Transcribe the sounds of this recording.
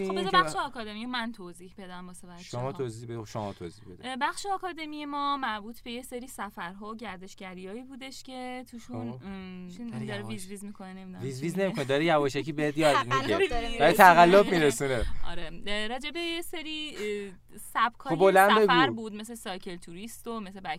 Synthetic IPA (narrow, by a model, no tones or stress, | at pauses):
oobezbæʃʃeɒkʰɒd̪e̞mijomænt̪ʰoziːhbe̞d̪æmbɔsevæʃomɒːt̪ʰozibeʃomɒ̰ːt̪ʰo̰zihbed̪ibæχʃeɒːkʰɒːd̪e̞mijemɒːmæɾbuːt̪ʰbe̞jeseɾiːsæfæɾɦɒːoɟæɾd̪e̞ʃɟæɾijɒːiːbuːd̪e̞ʃcʰe̞t̪ʰuːʃunid̪ɒɾevizviːzmikʰonenemid̪vizvizne̞mikʰonid̪ɒːɾijævɒːʃækʰiːbeet̪jɒːd̪miɡeæɾit̪ʰæɣælːobmiɾesuneʔɒ̰ɾeɾɒːd͡ʒebe̞jeseɾi | sæb̚kʰɒobolænbe̞ɡuɾbuːd̪meslesɒːjcʰelt̪ʰuɾist̪o̞mesebæ